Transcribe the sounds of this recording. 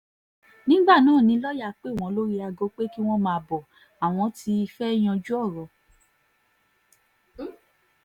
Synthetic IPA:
nĩ˦ɡ͡ba˦˨nãː˦˨nĩ˨˦lɔ˦ja˦˨k͡pe˦˨w̃ɔ̃˨˦lo˦ɾi˦a˧ɡo˨˦k͡pe˦ki˦w̃ɔ̃˦mãː˧˦bɔ˨ | a˨w̃ɔ̃˧˦ti˧˦i˧fɛ˦j̃ɔ̃˧d͡ʒu˦ɔ˦˨ɾɔ˨

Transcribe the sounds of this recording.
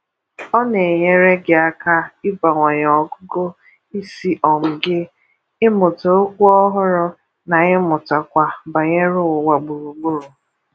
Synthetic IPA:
ɔ˦ne˨ɲe˦ɾe˦ɡɪ˨a˦ka˦ɪ˦ba˨ŋʷa˨ɲ˨ɔ˨ɡʊ˦ɡo˦ | i˦si˦ʔɔ˨m̩˨ɡɪ˦ | ɪ˦mʊ˨to˨o˦kʷʊ˦ɔ˦ɦʊ˦ɾʊ˦ | na˨ɣɪ˦mʊ˨ta˨kʷa˨ba˨ɲe˦ɾʊ˦ʊ˨wa˨ɡ͡bu˨ɾu˨ɡ͡bʊ˦ɾʊ˨

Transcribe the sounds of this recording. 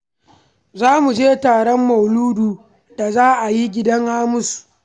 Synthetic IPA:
zaː˦mu˨d͡ʒeː˦taː˨ɽɔ˦mːɐ˨wluː˦duː˨ | da˨zaː˦ʔa˨ji˦ɡʲɪ˦dɐ˦ŋhaː˦mʊ˦su̥˨ʔ

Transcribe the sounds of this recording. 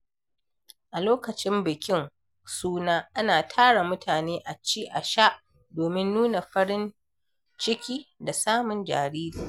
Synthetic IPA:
ʔa˨loː˦kɐ˨t͡ʃɪ˦mbɪ˨kʲɪ˦ŋ | suː˦naː˦ʔa˦naː˨tʰaː˦ɽa˨mʊ˦tʰaː˨neː˦ʔa˨t͡ʃiː˦ʔa˨ʃa˦ʔ | doː˨mɪ˦nːuː˦na˨ɸɐ˦ɽɪ˦n | t͡ʃɪ˦kʲiː˦da˨saː˦mʊ˨nd͡ʒa̰ː˨ɾiː˦daː˨

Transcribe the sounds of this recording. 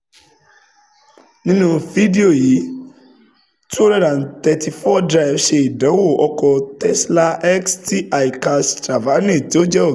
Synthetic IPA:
nĩ˦nũ˧vi˨˦di˦o˦˨ji˨˦ | tu˦ɔõ˦ɾɛ̃˦dã˨n̩˨tɛ˧ti˧fɔ˦dɾa˧i˨fʃe˧i˨dã˨˦wo˦˨ɔ˧kɔ˧tɛ˦sla˧ɛ˦ksti˦a˨ji˨ka˧stɾa˨va˨˦nẽ˦˨ti˨˦o˦d͡ʒɛ˦o˦˨

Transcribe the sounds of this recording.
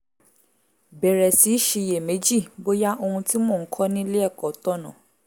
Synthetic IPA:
bɛ˨ɾɛ˨si˨˦ʃi˧je˨me˨˦d͡ʒi˦˨bo˦ja˦ʔo˧hũ˧ti˦mɔ̃ː˦˨ŋ̩˦kʰɔ˦nĩ˦le˦ɛ˦˨kɔ˨˦tɔ˦˨nã˨

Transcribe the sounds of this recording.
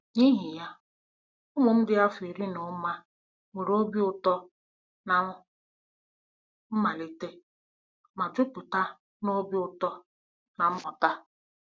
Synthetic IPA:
ɲi˦ɦi˨ja˦ | ʊ˦ŋʊ˨m̩˦dɪ˦a˦fi˨ɾi˦nʊ˨˦ma˦ | we˨ɾo˦bi˦ʊ˨tɔ˦ | na˨˦ | m̩˦ma˨le˨te˦ | ma˨d͡ʒʊ˦pʊ˨ta˦ | no˦bi˦ʊ˨tɔ˦ | na˨m̩˦mʊ˨ta˦

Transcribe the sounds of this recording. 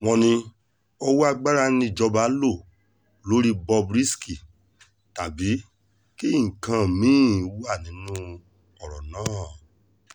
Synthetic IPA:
w̃ɔ̃˧nĩ˧ | ɔ˧wu˦a˧ɡ͡ba˦ɾa˧nĩ˧˨d͡ʒɔ˧ba˨˦lo˦˨ | lo˨˦ɾi˦bɔ˧bɾi˦ski˨ | ta˨bi˨˦ | ki˦˨kã˨mĩ˨˦˨wu˦a˦˨nĩ˨˦nũ˦ | ɔ˦˨ɾɔ˨nãː˦˨

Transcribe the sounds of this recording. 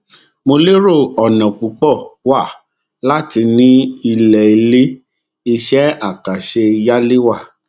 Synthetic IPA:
mo˧le˦ɾo˦˨ɔ˨nã˨k͡pu˨˦k͡pɔ˦˨wa˦˨ | la˦ti˧nĩ˦i˧lɛ˨i˨˦le˦ | i˧ʃɛ˦a˦˨ka˨ʃe˧ja˦le˦wa˦˨

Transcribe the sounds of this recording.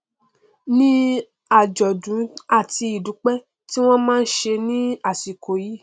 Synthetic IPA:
nĩ˦ | a˨d͡ʒɔ˨dũ˨˦a˦˨ti˧i˨du˨˦k͡pɛ˦ | ti˦w̃ɔ̃˦mãː˦˧n̩˦ʃe˧nĩ˦a˦˨si˨ko˨˦ji˦

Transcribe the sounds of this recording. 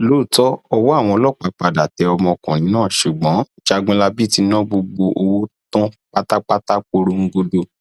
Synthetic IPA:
loː˨˦˨tɔ˦ɔ˧wɔ˦a˦˨w̃ɔ̃˧ɔ˧lɔ˦˨k͡pa˨˧˦k͡pa˨da˨tɛ˧ɔ˧mɔ̃˧kã˨nĩ˨˦nãː˦˨ʃu˨ɡ͡bɔ̃˨˦ | d͡ʒa˧ɡɔ̃˧la˧bi˦ti˧nã˦ɡ͡bo˧ɡ͡bo˧ʔo˧wo˦tɔ̃˦k͡pa˦ta˦k͡pa˦k͡pta˦k͡po˧ɾo˧ŋ̩˦ɡo˧do˧

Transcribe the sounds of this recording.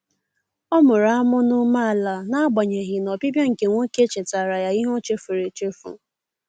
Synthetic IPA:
ɔ˦mʊ˨ɾa˦mʊ˦nʊ˦ma˦a˨la˨na˦ɡ͡bɔ˨ɲe˨ɣɪ˨nɔ˨pi˦bja˦ŋ̩˨ke˨ŋʷo˦ke˦t͡ʃe˨ta˨ɾa˨ja˦i˦ɦo˦t͡ʃe˦fu˨ɾe˨t͡ʃe˦fṵ˨

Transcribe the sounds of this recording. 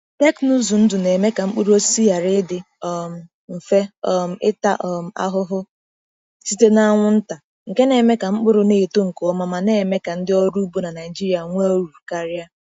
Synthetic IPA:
tɛ˦knu˦zu˨n̩˦dʊ˨ne˨me˦ka˨ŋ͡m̩˦k͡pʊ˦ɾo˦si˦a˨ɾɪ˦dɪ˦ | ɔ˨m̩˨ | m̩˨fe˦ɔ˦m̩˨ɪ˦ta̰˦ʔɔ˨m̩˨˦a̰˦ɦʊ˦ɦʊ˦ | si˦te˦na˦ŋʷʊ˦n̩˦ta˨ | ŋ̩˨ke˦ne˨me˦ka˨ŋ͡m̩˦k͡pʊ˦ɾʊ˨ne˦˨to˦ŋ̩˨ko˨ɔ˦ma˨ma˨ne˨me˦ka˨n̩˦dɪ˦ɔ˦ɾu˦bu˦na˨na˨ɪ˨d͡ʒi˦ɾi˨a˨ŋʷe˦o˦ɾu˨ka˦ɾɪ˦a˦

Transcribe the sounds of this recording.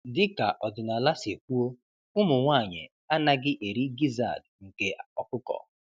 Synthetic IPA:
dɪ˦ka̰˨ʔɔ˨dʊ˨na˨la˦si˨e˨k̚ʷu˦o˦ | ʊ˦mʊ˨ŋʷa˦˨ɲɪ̰˨ | a˦na˦ɡɪ˦ʔe˨ɾi˦ɡi˦za̰˦˨dŋ̩˨ke˨ɔ˨kʊ˦kɔ̰˨

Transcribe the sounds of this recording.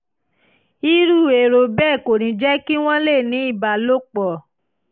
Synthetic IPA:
i˦ɾu˦˨e˨ɾo˧bɛː˦˨ko˨ɾĩ˨˧d͡ʒɛ˦ki˦w̃ɔ̃˦le˦˨nĩ˨˦i˦˨ba˧˨lo˦k͡pɔ˨

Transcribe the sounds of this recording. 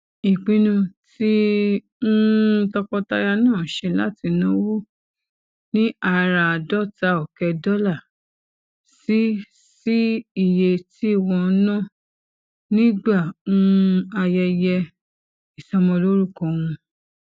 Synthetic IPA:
i˨k͡pĩ˧˦nũ˧ti˦ | n̩˦tɔ˧kɔ˧ta˧˦ja˧nãː˦˨ʃe˧la˦ti˧nã˦wo˦ | nĩ˦ʔa˧ɾa˨dɔ˦˨ta˧˦ɔ˨kɛ˧dɔ˦la˦˨ | si˦ | si˦i˦˨je˧tʰi˦i˦˨wɔ̃˧˦nã˦˨ | nĩ˦ɡ͡ba˦˨ũ˦˧a˧jɛ˧jɛ˧ | i˨sa˧mɔ̃˧lo˦ɾu˦˨kɔ̃˨w̃ũ˧

